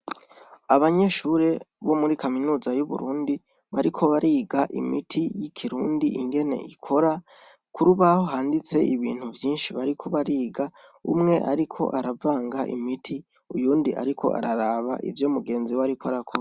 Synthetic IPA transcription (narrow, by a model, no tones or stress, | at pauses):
aβaɲe̞ʃuɾe̞βo̞muɾikaminuːzajuβṵɾuːndi | βaɾikʰo̞βaɾʔiːɡaʔḭmitʰijikʰiɾuːndiʔiŋɡe̞ne̞̰ʔikʰo̞ɾa | kʰuɾuβahoɦaːndit͡se̞ʔiβḭːn̥huvjiːnʃiβaɾikʰoβaɾiːɡa | ṵmŋe̞ʔaɾikʰo̞̰ʔaɾavaːŋɡaʔḭmitʰi | ujuːndiʔa̰ɾikʰo̞̰ʔa̰ɾaɾaːβa̰ʔḭvjomuɡe̞ːnziwaɾikoaɾakʰo